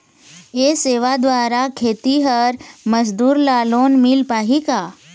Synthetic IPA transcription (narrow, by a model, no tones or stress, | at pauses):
eseːʋad̪ʋaːɾakʰeːt̪iɦəɾməsd̪uːɾlaːloːnmɪlpaːɦikaː